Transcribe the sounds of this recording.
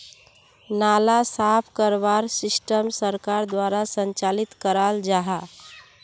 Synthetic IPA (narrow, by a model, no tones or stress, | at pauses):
nalasapʰkəɾbaɾsɪsʈəmsəɾkaɾd̪waɾasəɲt͡ʃalit̪kəɾald͡ʒaɦa